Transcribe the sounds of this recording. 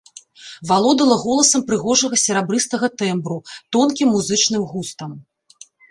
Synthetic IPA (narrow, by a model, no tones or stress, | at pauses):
valˠɔd̪ɐlˠɐɣɔlˠɐsɐmpɾɨɣɔʐɐɣɐsʲɛɾabɾɨst̪ɐɣɐt̪ɛmbɾut̪ɔnkʲimːuzɨt͡ʂnɨmɣust̪ɐm